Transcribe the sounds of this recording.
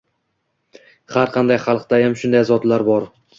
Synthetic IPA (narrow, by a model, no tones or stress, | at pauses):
haɾqʰɑnd̪ajχɑlˠqt̪ajamʃʊnd̪ajzɒd̪laɾbɒɾ